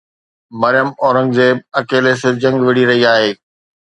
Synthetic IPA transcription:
mɐɾɪjəmɔːɾə̃ŋɡd͡ʑeːɐkeːlesɪɾd͡ʑɐ̃ŋɡʋɪɽiɾɐɦiaːɦeː

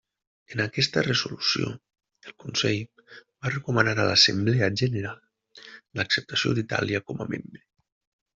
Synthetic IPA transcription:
ənakɛst̪ərəzulusio̰ | əlˠkunsɛj | barəkumənaɾalasəmbleəʒənəɾalˠ | ləksəp̚t̪asio̰d̪it̪a̰liəkɔməmḛmbɾe

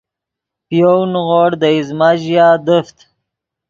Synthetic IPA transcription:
pijonɣoɽd̪əizmaʑijad̪əft̪

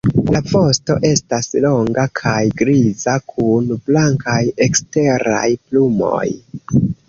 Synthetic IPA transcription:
lavo̞sto̞̰ʔe̞staslo̞ŋɡakʰajɡɾizakʰunblaŋkaje̞kste̞ɾa̰jplumo̞̰j

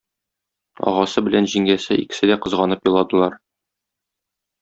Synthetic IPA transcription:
ɒ̰ʁɑsɤbɘ̆lænʑiŋɡæsɘikɘ̥̆sɘd̪æqɤ̆zʁɑnɤpjɒ̆lˠɑd̪ɤ̆lˠɑɾ

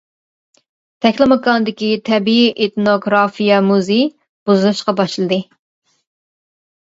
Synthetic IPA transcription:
t̪ʰɛkʲlˠɨmɨkɑnɨd̪ɪkʲit̪ʰɛbiiʔet̪noɡɾɑfijɛmuzej | b̥uzɨlˠɨʃqɑbɑʃlˠɨd̪ɨ

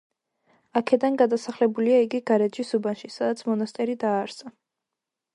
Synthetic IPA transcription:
akʰɛd̪anɡad̪asaχlɛbuliaiɡiɡaɾɛd͡ʒisubanʃisad̪at̪sʰmɔnast̪ʼɛɾid̪aːɾsa

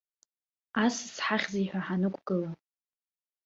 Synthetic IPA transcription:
assħaχʲziiħʷᶣaħanɨkʷʰʼɡ̥ɨla

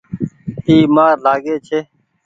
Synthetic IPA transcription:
iːmaːɾlaːɡeːt͡ʃʰeː

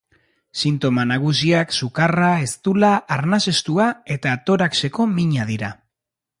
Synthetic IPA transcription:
sint̪o̞manaɣ̞usiaksukarae̞st̪ulaːɾnase̞st̪uae̞t̪at̪o̞ɾakse̞ko̞miɲaðiɾa

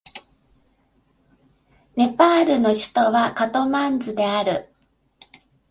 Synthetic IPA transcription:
ne̞paːɾɯ̟no̞ɕi̥t̪o̞βakat̪o̞mãnd͡zɨd̪e̞aɾɯ̟

